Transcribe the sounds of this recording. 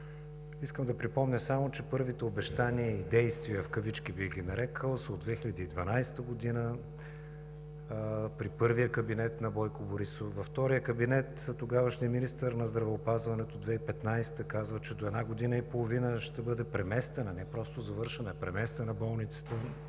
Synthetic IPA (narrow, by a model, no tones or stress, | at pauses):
iskəmd̪ɐpɾipɔmnʲəsamot͡ʃɛpɤɾvit̪ɛobɛʃt̪aniːd̪ɛjst̪viəfkəvit͡ʃk̟ibiɣɡʲinɐɾɛkʰəlˠsod̪vɛxilʲɐd̪iːd̪vɐnajst̪əɡod̪inə | pɾipɤɾvijəkɐbinɛt̪nɐbɔjkoboɾisofvɐft̪ɔɾijəkɐbinɛt̪t̪oɡavəʃniminist̪əɾnɐzd̪ɾɐvɛopazvɐnɛt̪od̪vɛipɛt̪najst̪əkazvət͡ʃɛd̪oɛd̪naɡod̪inəipolˠovinəʃt̪ɛbɤd̪ɛpɾɛmɛst̪ɛnɐnɛpɾɔst̪ozɐvɤɾʃɛnɐɛpɾɛmɛst̪ɛnɐbɔlˠnit̪sə̥t̪ə